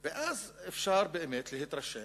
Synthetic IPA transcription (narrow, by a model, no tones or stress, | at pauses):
bɪʔazɪfʃɑːɾˤbɪʔɪmeːt̪lihit̪ɾˤɑʃːeː